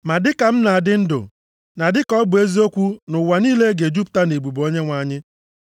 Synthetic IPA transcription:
ma˨dɪ˦ka˨m̩˦na˨dɪ˦n̩˦dʊ̰˨ | na˨dɪ˦kɔ˦bʊ˨e˦zi˦o˦kʷu˦nʊ˨wa˨niː˦le˦ɡe˨d͡ʒu˦p̚ta˦ne˨ɡ͡bu˨bo˦ɲe˦ŋʷa˨˦˨ɲɪ˦

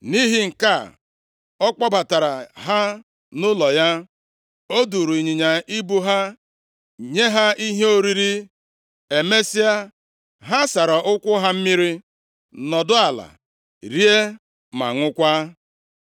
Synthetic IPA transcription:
ni˦ɦi˦ŋ̩˨ka˦˨ | ɔ˦k͡pɔ˦ba˨ta˨ɾa˨ɦa˦ | nʊ˦lɔ˨ja˦ | o˦du˨ɾu˨ɲi˨ɲa˨i˦bu˦ɦa˦ | ɲe˦ɦa˦i˦ɦe˦o˦ɾi˦ɾi˦ | e˨me˦si˦a˦ | ɦa˦sa˨ɾɔ˨ʔʊ˦kʷʊ˦ɦa˦m̩˦mi˦ɾi˦ | nɔ˨dʊ˦a˨la̰˨ | ɾi˦e˦ | ma̰˨ŋʷʊ˦kʷa˦

